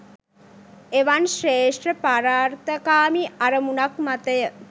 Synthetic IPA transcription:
eʋanʃreːʂʈrəpaɾaːɾt̪əkaːmiʔaɾəmunakmat̪əjə

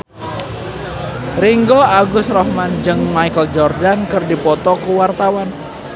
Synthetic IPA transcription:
riŋɡɔaɡʊsrɔhmand͡ʒɨŋmaikəld͡ʒɔrdankɨrdipɔt̪ɔkuwart̪awan

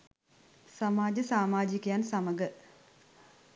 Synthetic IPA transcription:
sɐmaːd͡ʑɐsaːmaːd͡ʑikːjaːnsɐmɐɡɐ

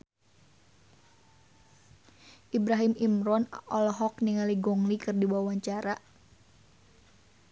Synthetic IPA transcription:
ʔibɾaɦimimɾɔnɔlɔɦɔk̚niŋaliɡɔŋlikɨrdiwawaɲt͡ʃaɾa

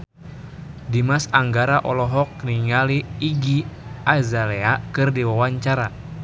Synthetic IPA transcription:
dimasaŋɡaɾaʔɔlɔɦɔk̚niŋaliːɡiazalɛakɨrdiwawaɲt͡ʃaɾa

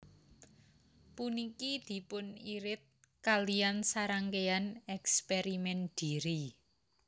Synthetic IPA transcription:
punikid̪̥i̤pʊniɾɪt̪̚ | kaliansaɾaŋkeanɛkspeɾimɛnd̪̥i̤ɾi

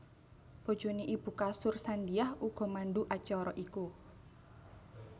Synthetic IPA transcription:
b̥ɔ̤d̥d͡ʒ̥o̤niʔib̥ṳkasʊrsandiahuɡ̥ɔ̤maɳɖuʔat͡ʃɔɾɔʔiku

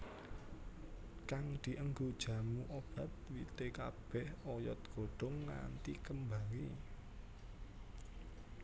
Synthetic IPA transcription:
kaŋd̪̥i̤ʔəŋɡod̥ʒ̥ä̤muʔob̥a̤t̪̚wit̪ekab̥ɛhɔjɔt̪̚ɡ̥oɖ̥ɔ̤ŋna̰nt̪ikəmbaŋi

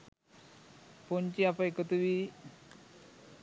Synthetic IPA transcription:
pont͡ɕiapəekət̪uʋi

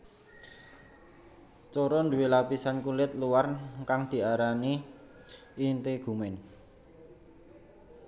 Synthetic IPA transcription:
t͡ʃɔɾɔnd̪ṳwelapisankulɪt̪̚luwarkaŋd̪̥i̤aɾaniː | nt̪eɡ̥ṳmɛn

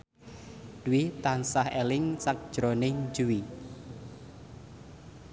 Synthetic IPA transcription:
d̥wit̪ansahelɪŋsak̚d̥ʒ̥ɾonɪŋd͡ʒuwi

